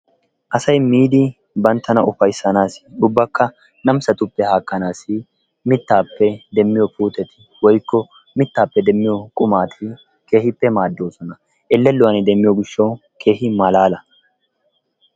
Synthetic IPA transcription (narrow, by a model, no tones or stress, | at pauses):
ʔɐsɐjmiːd̪ɪ | bɐnt̪ːɐnɐʔʊfɐjsːɐnaːsɪ̥ʊbːɐkːɐ | nɐmsɐt̪ʊpːɛhaːkːɐnaːsɪ | mɪt̪ːaːpːɛd̪ɛmːɪjɔpuːt̪ɛt̪ɪ̥ | wɔjkːɔ | mɪt̪ːaːpːɛd̪ɛmːɪjɔkʼʊmaːt̪ʰɪ | ke̞ːhɪpːɛmaːd̪ːo̞ːsɔnɐ | ʔɛlːɛlːʊwɐnɪd̪ɛmːɪjɔɡɪʃːɐw | kʰe̞ːhɪmɐlaːlɐ